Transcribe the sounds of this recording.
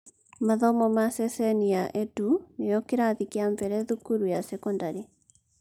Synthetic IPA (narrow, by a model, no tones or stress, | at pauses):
maðɔmɔmasɛsɛniaʔetunejɔkeɾaðikeaɱvɛɾɛðukuɾujasɛkɔndaɾi